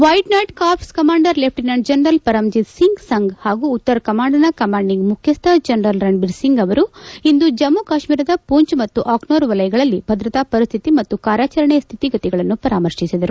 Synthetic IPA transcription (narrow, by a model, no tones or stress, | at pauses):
ʋɐjʈnɐːjʈkaːpʰskɐmaːɳɖɐɾlep̚ʰʈinɐɳɖd͡ʒɐnɾɐlpɐɾɐmd͡ʒit̪siŋɡsɐŋɡhaːɡuːt̪ːɐɾɐkɐmaːɳɖɐnɐkɐmaːɳɖiŋɡmukʰjɐst̪ʰɐd͡ʒɐnɾɐlɾɐɳɖbiɾsiŋɡɐʋɐɾuind̪ud͡ʒɐmːukaːʃmiːɾɐd̪ɐpuːɲt͡ʃmɐt̪ːuʔaːknoːɾʋɐlɐjɐɡɐɭɐlːibʱɐd̪ɾɐt̪apɐɾist̪ʰit̪imɐt̪ːukaːɾaːt͡ʃɐɾɐɳɛst̪ʰit̪iɡɐt̪iɡɐɭɐnːupɐɾaːmɐɾʂisid̪ɐɾu